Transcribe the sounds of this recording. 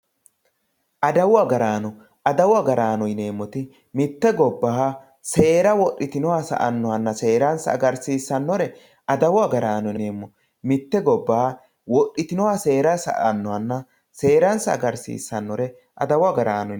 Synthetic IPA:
ʔɐd̪ɐwʊaɡɐɾaːnɔ | ʔɐd̪ɐwʊɐɡɐɾaːnɔjne̞ːmːɔt̪ɪ | mɪt̪ːɛɡɔbːaː | se̞ːɾɐwɔɗːɪt̪ɪnɔwɐsɐ̰ʔɐnːɔhɐnːɐse̞ːɾɐnsɐ̰ɡɐɾsiːsːɐnːɔɾɛ | ɐd̪ɐwɐɡɐɾaːnɔne̞ːmːɔ | mɪt̪ːɛɡɔbːaː | wɔɗɪt̪ɪnɔwɐse̞ːɾɐsɐ̰ʔɐnːɔhɐnːɐ | se̞ːɾɐnsɐɐ̰ɡɐɾsḭːsːɐnːɔɾɛ | ʔɐd̪ɐwʊɐɡɐɾaːnɔ

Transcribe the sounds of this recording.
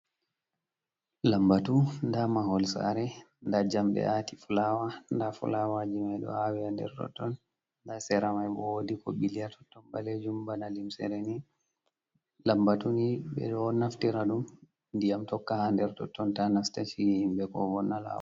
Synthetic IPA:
lambatundamaɦɔlsa̰ɾɛ | ndad͡ʒamɗɛ̰atifulawandafṵlawad͡ʒimajɗɔ̰awɛhandɛ̰ɾtɔ̰tːɔn | ndasɛɾamajɓɔwodikɔɓilijatʰɔ̥tːɔnbaled͡ʒumbanalimsɛ̰ɾɛni | lambatuniɓɛ̰ɗɔnaftiɾaɗum | ndijamtɔkːahandɛɾtɔ̰tːɔntanastaʃihhimbɛkɔ̰vɔnːala̰w̰a

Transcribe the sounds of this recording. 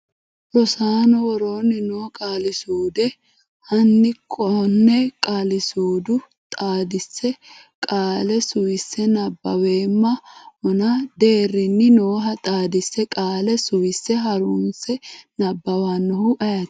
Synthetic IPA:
ɾɔsaːnɔwɔɾoːnːɪnoːkʼaːlɪsuːd̪ɛ | hɐnːɪkʰʼːɔnːɛkʼaːlɪsuːd̪ʊ | t̪ʼaːd̪ɪsːɛ | kʼaːlɛsʊwɪsːɛnɐbːɐwe̞ːmːɐɔnɐd̪e̞ːrːɪnːɪnoːɦɐt̪ʼaːd̪ɪsːɛkʼaːlɛsʊwɪsːɛɦɐɾuːnsɛnɐbːɐwanːɔhʊʔɐjɐt̪ː

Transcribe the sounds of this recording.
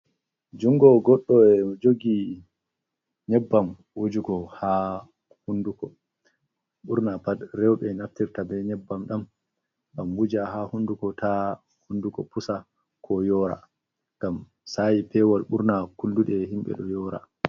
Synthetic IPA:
d͡ʒuŋɡɔɡɔɗːɔɛmɔd͡ʒoɡi | ɲɛbːam | wud͡ʒuɡɔha | hundukɔ | ɓuɾnapadɾɛwɓɛnaftiɾtabɛɲɛbːamɗam | ɡambud͡ʒaɦahundukɔtʰa | hundukɔpusa | kʰɔjɔːɾa̰ | ŋɡ̥am | sajipɛwalɓuɾnakulduɗɛhimɓɛ̰ɗɔjɔːɾa̰

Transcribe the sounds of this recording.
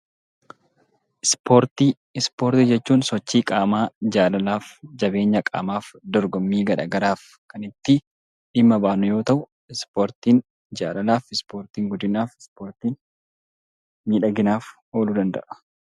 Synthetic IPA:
ʔɪspʰoːɾt̪i | ɪspo̞ːɾt̪ɪd͡ʒɛt͡ʃːuːnsɔt͡ʃːiːkʼaːmaːd͡ʒaːlɐlaːfd͡ʒɐbe̞ːɲːɐkʼa̰ːmaːfd̪ɔɾɡɔmːiːɡɐɾa̰ɡɐɾaːf | kɐnɪt̪ːɪ | ᶑɪmːɐbaːnʊjo̞ːt̪ɐʔʊ | ɪspoːɾt̪iːn | d͡ʒaːlɐlaːfɪspo̞ːɾt̪iːŋɡʊd̪ɪnaːfɪspoːɾt̪iːn | miːᶑɐɡɪnaːf | o̞ːlud̪ɐnd̪ɐ̰ʔɐ̥

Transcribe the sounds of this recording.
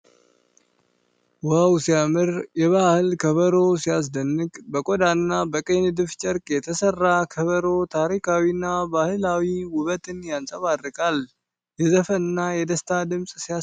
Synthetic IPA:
wawsijamɨɾjɛβahɨlkʰəβəɾo̞sijas̬d̪ənːɨkʼbəkʼɔd̪anːabəkʼend̪ɨft͡ʃʼəɾkʼjɛt̪ʰəsərːakʰəβəɾo̞t̪ʰaɾikʰawinːabahɨlawiwʊβət̪ʰʼɨnjansʼəβarːɨkʼal | jɛzəfəɨnːajɛd̪əst̪ʰad̪ɨmsʼsia

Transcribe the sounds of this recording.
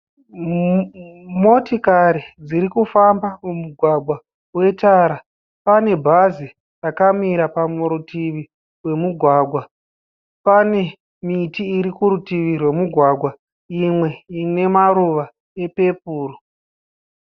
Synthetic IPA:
mo̞tikaɾid͡ziɾikufambamumuɡʱwaɡʱwa | we̞taːɾa | pane̞bʱazi | rakamiɾapamuɾutiʋi | we̞muɡʱwaːɡʱwa | pane̞ | mitiːɾikuɾutiʋirwe̞muɡʱwaɡʱwa | imwe̞ine̞maɾuʋa | e̞pe̞puːro

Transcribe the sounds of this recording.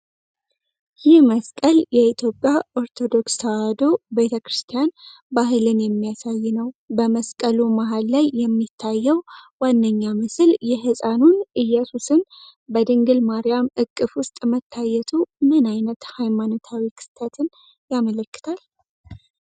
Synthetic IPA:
jɪhməskʼəljɛit̪ʰjo̞pʼːjaʔo̞ɾt̪ʰo̞d̪o̞kst̪ʰawad̪o̞be̞t̪ʰəkɾɨst̪ʰijan | baɦɨlɨnjɛmːijasajːɪnəwbəməskʼəlumaɦalːajːɛmːit̪ʰːajːɛwwanːəɲːamɨsɨljɛɦɨsʼanunʔɨjːasusɨnbəd̪ɨŋɡɨlmaɾijamɨkʼːɨfwʊst̪ʼmət̪ʰːajːɛt̪ʰumɨnajnət̪hajmanot̪ʰawikʰɨ̥st̪ʰət̪ʰɨn | jamələkːɨ̥t̪ʰal

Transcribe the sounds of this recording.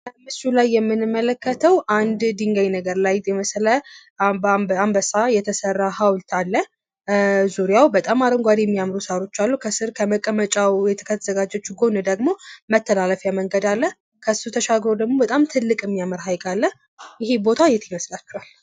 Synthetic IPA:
mːɨsulajːɛmːɨnɨmːələkːət̪ʰəwʔand̪d̪iŋɡajnəɡəɾlajɛməslə | bbambəsajɛt̪ʰəsərːaɦawlt̪ʰalːə | zuɾijawbət̪ʼamaɾəŋɡʷad̪jɛmːijamɾusaɾo̞t͡ʃːalːukʰəsɨɾkʰəməkʼəmət͡ʃʼawjɛt̪ʰə̥kʰət̪ʰzəɡad͡ʒɛt͡ʃːɡo̞nɨd̪əɡmo̞mət̪ʰːəlaləfjaməŋɡəd̪alːə | kʰəsut̪ʰəʃaɡɾo̞d̪əɡmo̞bət̪ʼamt̪ʰɨlːɨkʼɨmːijaməɾɦajkʼalːə | jɪɦebo̞t̪ʰajɛt̪ʰɪməslat͡ʃːuhal

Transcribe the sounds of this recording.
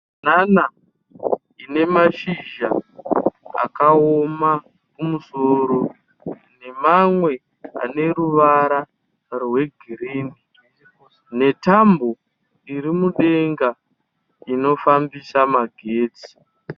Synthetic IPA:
nana | ine̞maʃiʒa | a̰kaoma | kumusoɾo̞ | ne̞mamwe̞ | a̰ne̞ɾuʋaɾa | rwe̞ɡʱiɾeːni | ne̞tambo̞ | iɾimuɗe̞ŋɡa | ino̞fambisamaɡʱeːt͡si̥

